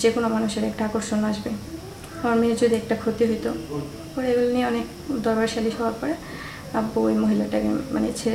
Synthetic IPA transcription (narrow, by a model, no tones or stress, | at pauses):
d͡ʑekonomanuʃeɾɛk̚ʈaakoɾʃonaʃbe | hɔɾmieɾd͡ʑod̪ʱiɛk̚ʈakʰot̪iɦojt̪o | pɔɾeeɡulonieɔnek | d̪ɔɾbaɾʃaliʃɔbʱabkɔɾe | abojmoɦilaʈakḛma̰net͡ɕʰe